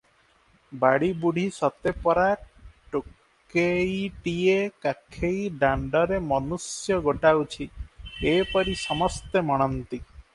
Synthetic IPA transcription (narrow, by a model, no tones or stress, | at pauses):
baɽibuɽ̤ʱisɔt̪epɔɾaʈok | ejʈiekakʰejɖaɳɖɔɾemɔnusjɔɡoʈawt͡ʃʰiepɔɾisɔmɔst̪emɔɽ̃ɔnt̪i